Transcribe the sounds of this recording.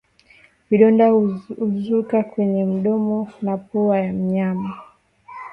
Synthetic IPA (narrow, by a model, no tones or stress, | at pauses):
viɗɔndahuuzukakwɛɲɛm̩ɗɔmɔnapɔajam̩ɲama